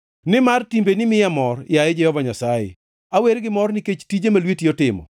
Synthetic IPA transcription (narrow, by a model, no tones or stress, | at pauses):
nɪmartimbenɪmɪjamɔrjaed͡ʒɛhɔvaɲasajḛ | aweɾɡɪmɔrnɪket͡ʃtid͡ʒemalwetiɔtɪmɔ̰